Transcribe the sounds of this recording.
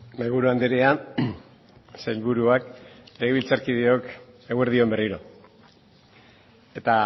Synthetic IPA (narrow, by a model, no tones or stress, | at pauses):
mejβuɾuand̪eɾea | sejlβuɾuakeɣiβilt͡saɾkið̞eo̞k | eɣweɾðio̞mberiɾo̞ | e̞t̪a